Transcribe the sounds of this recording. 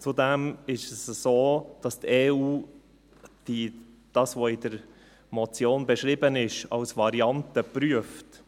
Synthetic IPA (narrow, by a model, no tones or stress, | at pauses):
t͡sudɛmɪʃəsəsoːd̥ɑst̪eːuː | d̥i | d̥ɑsʋoɪdəɾ | mɔt͡sjoːnbɛʃɾɪbənɪʃɑlsvɑɾiɑntəpɾyəft